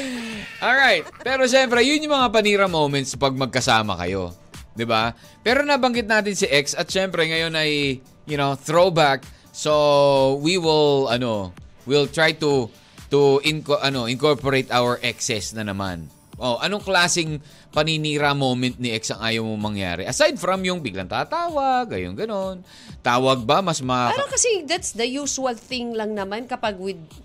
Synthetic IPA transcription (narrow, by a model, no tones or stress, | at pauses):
ʔolɹajt̪̚pɛːɾo̞ʃɛmpɾɛjʊnjʊmɐŋapɐniːɾɐmowmɛnt̪spɐɡ̚mɐɡ̚kɐsaːmɐ̰kɐ̰jo̞̰d̪ɪba | pɛːɾo̞nɐbɐŋɡɪt̪naːt̪ɪnsiʔɛksɐt̪̚ʃɛmpɾɛŋɐjo̞nɐj | jʊnoθɾowbak̚ | sowiwɪlɐno̞wɪlt̪ɹajt̪u | t̪uʔɪnkʔɐno̞ʔɪŋkoɹpɔɾejt̪ʔawəɹʔɛksɛsnɐnɐma̰n | ʔo̞ʔɐno̞ŋklaːsɪŋ | pɐniniːɾamowmɛ̃nt̪̚nɪɛksɐŋʔaːjowmoŋmɐŋja̰ːɾɛʔɐsajd̪̚fɾɐmjʊŋbɪɡlɐ̰ŋt̪aːt̪aːwɐɡɐ̰jo̰nɡɐno̞n | t̪aːwɐɡ̚bɐmɐsmɐaɾokɐsɛd̪at̪sd̪ɐjuːsʊɐlθɪ̃ŋlɐŋnɐmankɐpaɡ̚wɪd̪̚